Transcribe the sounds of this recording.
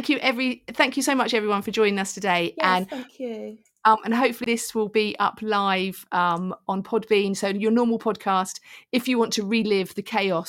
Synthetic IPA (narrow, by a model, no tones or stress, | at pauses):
ŋkʰjɨʔɛvɹiθæ̃ŋkjɨsəʊmʌt͡ʃɛvɹiwʌ̃nfəd͡ʒɔ̃ɪ̃ñɪ̃ŋʌstʰədeɪʔə̃nkʉ | ʌ̃mʔə̃nɦəʊpfəliðɪswɪlˠbiʔʌ̰pʰlaɪv̥ʌ̃mə̃npʰɒd̚bĩːnsəʊjənɔːməlˠpʰɒd̚kʰɑˑstɪfjəwɒ̃ntʰəɹiːlɪvðəkʰeɪɒs